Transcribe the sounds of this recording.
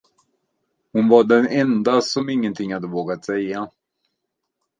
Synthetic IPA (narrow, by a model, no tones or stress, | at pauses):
hʊnvaɖɛnɛnd̪asɔmɪŋːənt̪ʰɪŋːhad̪ːəvoːɡat̪sɛjːa